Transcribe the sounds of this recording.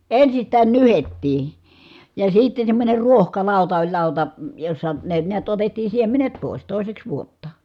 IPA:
ensistæːn nyhetːiː jɑ sitːen̞ semːonʲer ruohkɑlɑˑutɑ olʲ lɑˑutɑ josːɑ ne niæt otetːiː siemenet poˑi̯s toˑi̯seks ʋuotːɑ

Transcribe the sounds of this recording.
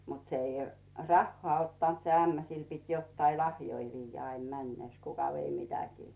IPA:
mut se i rɑhːoɑˑ otːɑnt se æmːæ sil pit jotːɑi lɑhjoi ʋiːjːæ ɑim mænːeˑs kukɑ ʋei mitækiː

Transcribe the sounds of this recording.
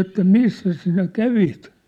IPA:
etːæ misːæs sinæ kæʋit

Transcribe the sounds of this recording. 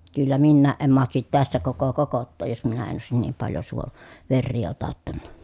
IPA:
kylːæ minːæːʔ ʔem mɑhtɑsit tæsːæ koko kokotːoːj jos minæ en oˑesin niːm pɑljo suon ʋerːiː otɑtːɑnːɑ

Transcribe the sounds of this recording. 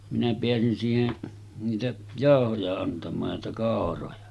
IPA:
minæ peæsin siːhen niːtæ jɑˑohojɑ ɑntɑmˑɑːj jɑ niːtæ kɑˑorojɑ

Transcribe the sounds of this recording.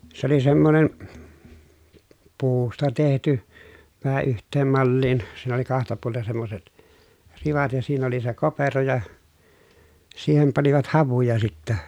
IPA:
s oli semːonen puːstɑ tehty ʋæhæ yhtˑeːm mɑlːiːn siːn oli kɑhtɑ puolten̞ semːoset riʋɑt jɑ siːn oli se kopero jɑ siːhem pɑniʋɑt hɑʋujɑ sitːæ

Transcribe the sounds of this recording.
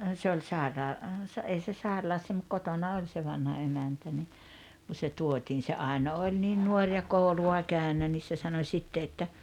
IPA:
se olʲ sɑˑerɑː sɑ ei se sɑerɑlɑsːɑ mut kotonɑ olʲ se ʋɑnhɑ emæntæ ni ku se tuotiːn se ɑi̞no olʲ niːn nuorʲ jɑ koˑuluɑ kæynæ nis se sɑno sʲitːe etːæ

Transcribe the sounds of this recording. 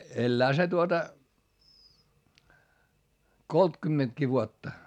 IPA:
elːæː se tuotɑ koltkymːentki ʋuotːɑ

